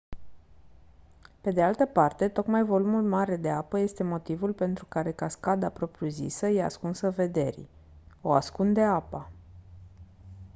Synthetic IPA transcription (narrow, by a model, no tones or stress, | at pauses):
pe̞d̪e̞alt̪əpart̪e̞t̪o̞kmajvo̞lumulmaɾe̞d̪e̞apəje̞st̪e̞mo̞t̪ivulpe̞nt̪ɾukaɾe̞kaskad̪apɾo̞pɾjuzḭsəjea̰skunsəve̞d̪e̞ɾḭ | o̞a̰skund̪e̞apa